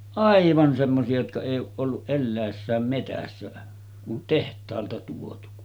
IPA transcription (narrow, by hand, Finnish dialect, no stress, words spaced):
ʔɑiʋɑn semːosiɑ jotkɑ eˑijˑ oːʔ ʔolːuʔ ʔelːæˑesːæːm metæsːæ kun tehtˑɑːltɑ tuotu